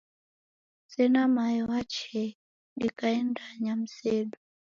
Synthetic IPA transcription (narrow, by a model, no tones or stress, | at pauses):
sɛnamajɔwat͡ʃɛ | ɗikaɛndaɲam̩sɛɗu